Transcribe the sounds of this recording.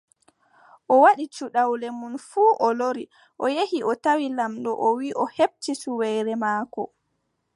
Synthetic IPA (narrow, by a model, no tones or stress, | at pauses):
ʔɔwaɗit͡ʃuɗawlɛmunfuːʔɔloɾi | ʔɔjehiʔɔtawilamɗɔʔɔwiʔɔheb̚tisuwɛjɾɛmaːkɔ̰